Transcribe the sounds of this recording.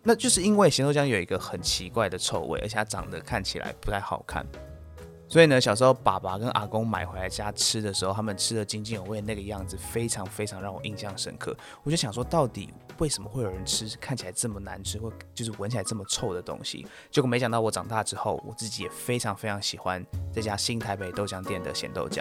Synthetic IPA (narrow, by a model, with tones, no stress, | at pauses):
na˥˧t͡ɕjo˥˧ʊʂ̬ɻ̩˥˩i˥nwe˥˩ɪɕnt̪ʰt͡ɕjɑ˥ŋjo˨˩ʊi˧˥ɡə˧xə˨˩nt͡ɕʰi˧˥kwa˥˩ɪd̪ə˩t͡sʰo˥˧ʊwḛ˥ɪʔə̰˞˧˥˨a˥ʈ͡ʂɑ̰˨˩ŋd̪ə˦kʰa˥˩nt͡ɕʰḭ˨lʔa̰˧˥ɪpu˧˥a˥˩ɪxɑ̰˨˩ʊkʰa̰˥˩n | swɔ˧˥i˨˩nə˦ɕjɑ˨˩ʂ̬ɻ̩˧˥xo˥˧˩ʊpa˨˩pa˨˥kə˦nʔa̰˨˩kʊ˥ŋma̰˨˩ɪxwe˧˥la˧ɪt͡ɕja˥ʈ͡ʂʰɻ̩˥d̪ə˨ʂɻ̩˧˥xo˥˩ʊt̪ʰa˥mə˨nʈ͡ʂʰɻ̩˥d̪ə˨t͡ɕi˥ŋt͡ɕi˥˩no˨˩we˥˩ə˧na˥˩ɡə˩jɑ˥˩ŋd͡zɹ̩˨˩fe˥ɪʈ͡ʂʰɑ˧˥ŋfe˥ɪʈ͡ʂʰɑ˧˥ŋɻɑ˥˩ŋwɔ̰˨˩ʔi˥˧nɕjɑ˥˧ŋʂə̰˥nkʰɤ̰˥˩ | wɔ˨t͡ɕo˥˩ɕjɑ˨ŋ˩ʂwɔ˥t̪ɑ˥˩ʊt̪ḭ˨˩we˥˩ɪʂə˧˥mə˧xwe˥˩ɪjo˨˩ɻə˧˦nʈ͡ʂʰɻ̩˥kʰa˥˩nt͡ɕʰi˨˩a˧˥ɪʈ͡ʂə˥˩mə˩na̰˧˦nʈ͡ʂʰɻ̩˥xwɪt͡ɕjo˥˧ʊʂ̬̩˥˩wə˧˦nt͡ɕʰi˨˩a˧ɪʈ͡ʂə˥˩mə˩t͡sʰo˥˩ʊd̪ə˩t̪o̰˥ŋɕḭ˨ | t͡ɕjo˥˧ʊme˧˥ɕɑ˨ŋt̪ɑ˥˩ʊwɔ˧˦˩ʈ͡ʂɑ˨˩ŋt̪a˥˧˩ʈ͡ʂɻ̩˥xo˥˩ʊwɔ̰˨˩t͡sɹ̩˥˩t͡ɕi˨˥jɛ̰˨˩fe˥ɪʈ͡ʂʰɑ˧˥ŋfe˥ɪʈ͡ʂʰɑ˧˥ŋɕi˨˩xwa˦nt͡sa˥˩t͡ɕja˦˥ɕi˥nt̪ʰa˧˥ɪpe˨˩ɪt̪o˥ʊɕjɑ˥ŋt̪jɛ˥˨nd̪ə̰˦ɕjɛ̰˨˩nt̪o̰˥˧ʊt͡ɕjɑ̰˩˦